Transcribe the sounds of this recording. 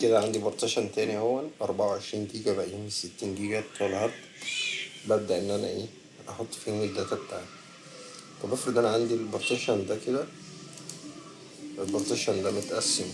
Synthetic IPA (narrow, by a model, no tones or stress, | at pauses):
ked̪æʕand̪ibɑɾt̪æʃɑnt̪æːniʔæwːælʔɑɾˤbaʕawʕeʃɾiːnɡiːɡæbæʔjimeset̪ːiːnɡiːɡæt̪ˤːɑlhɑt̪ˤ | bæb̚d̪æʔenːʔænæʔeː | ʔɑħot̪ˤːfiːnːed̪æt̪æbt̪aʕt̪ | t̪ˤɑbæfɾed̪ʔænæʕand̪ilboɾt̪æʃɑnd̪æked̪æ | elbɑɾˤt̪æʃɑnd̪æmot̪ʔæsːem